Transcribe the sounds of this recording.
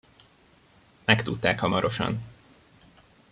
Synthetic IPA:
mɛkt̪ut̪ːaːkhɒmɒɾo̞ʃɒ̰n

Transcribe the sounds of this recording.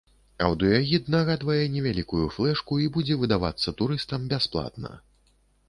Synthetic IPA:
ɐ̰wd̪ujaɣʲid̪naɣad̪vɐjɛnʲɛvʲalʲikujuflˠɛʂkuibud͡zʲɛvɨd̪ava̰t̪sːɐt̪uɾɨst̪ɐmbʲasplˠa̰t̪nɐ̰

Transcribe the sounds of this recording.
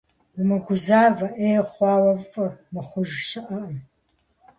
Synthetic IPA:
wʊmɨɡʷʊzaːvɐʔeːχʷɑːwɐvfʼɨrmɨχʷʊʒʃɪʔɐʔɐm

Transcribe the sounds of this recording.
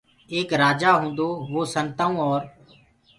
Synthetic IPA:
eːkɾaːd͡ʒaːɦũːnd̪oːʋoːsənt̪aːũːɔːɾ

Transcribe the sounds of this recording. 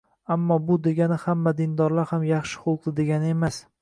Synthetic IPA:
amːɒbʊd̪e̞ɡʲanɪhamːad̪ɪnd̪ɒɾlaɾhamjɑχʃɪ̥χʊlˠq̚d̪ɪd̪e̞ɡʲanɪe̞mas

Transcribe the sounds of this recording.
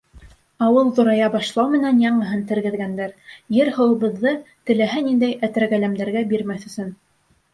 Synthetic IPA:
ɑwɤlˠðŏɾɑjɑbɑʃlˠɑwmɘ̆nænjɑɴɤ̆ɦɤnt̪ɘ̆ɾɡɘ̆ðɡænd̪æɾjɘɾhɤ̆wɤ̆βɤ̆ðːɤt̪ɘ̆læɦænind̪æjæt̪æɾɡælæmd̪æɾɡæbiɾmæθɵ̆sɵn

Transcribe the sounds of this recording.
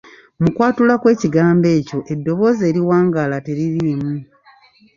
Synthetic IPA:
mukwaːtulakwe̞ːciɡaːmbe̞ːco̞ʔe̞dːo̞βo̞ːze̞ːɾiwaːŋɡalate̞ɾiɾimu

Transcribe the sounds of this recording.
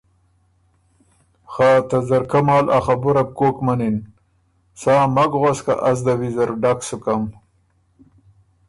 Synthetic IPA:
xaːt̪azaɾkamɑːlʔa̰χabuɾap̚koːkmanin | saːmaɡʁaska̰ʔas̬d̪awizaɾɖaksukam

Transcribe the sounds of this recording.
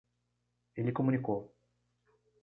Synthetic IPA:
elʲikomunʲikow

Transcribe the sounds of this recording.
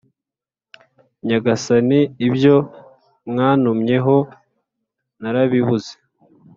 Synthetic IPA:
ɲaɡasaniːbjo̞ | mŋaːnumɲe̞ɦo̞ | naɾaβiβuze̥

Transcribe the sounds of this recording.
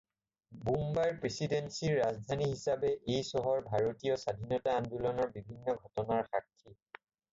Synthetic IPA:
bumbajɹpɹesidensiɹːazdʱaniɦisabɛʔejsɔɦɔɹbʱaɹotijɔsadʱinɔtaːndulɔnɔɹbibʱinːɔɡʱɔtɔnaɹxakʰːi

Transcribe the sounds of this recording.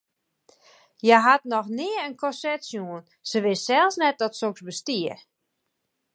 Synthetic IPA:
jaɦatnɔxnɪərənkʰɔsɛtsjuən | səʋɪssɛlˠsnɛt̚dɔtsoksbəstiər

